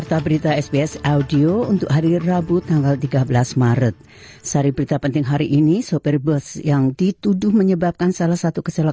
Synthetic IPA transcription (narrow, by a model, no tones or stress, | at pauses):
art̪abəɾit̪aɛsbiɛsaudiount̪ʊ̰kɦaɾirabut̪aŋɡalt̪iɡabəlasmaɾət̪̚ | saɾibəɾit̪apənt̪ɪŋɦaɾiʔinisopɛrbəsjaŋdit̪udʊhməɲəbap̚kansalahsat̪ukəsala